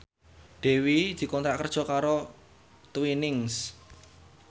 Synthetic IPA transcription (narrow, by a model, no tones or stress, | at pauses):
ɖ̪̥e̤wid̪̥i̤kɔnt̪ɾaʔkərd̥ʒ̥ɔ̤kaɾo | t̪winɪŋs